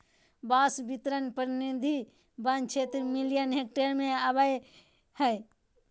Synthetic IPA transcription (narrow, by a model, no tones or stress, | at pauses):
baːsbit̪ɾənpəɾnid̪ʱi | bant͡ʃʰet̪ɾmilijənɦek̚ʈeɾmẽəbəj | həj